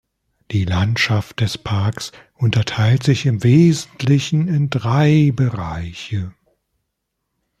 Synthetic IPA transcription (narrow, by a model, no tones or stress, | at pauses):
d̥iːlantʃaft̚d̥ɛspʰaɐksʔʊntɐtʰaɪltz̥ɪçɪmveːzn̩tʰlɪçn̩ɪndʁaɪbəʁaɪçə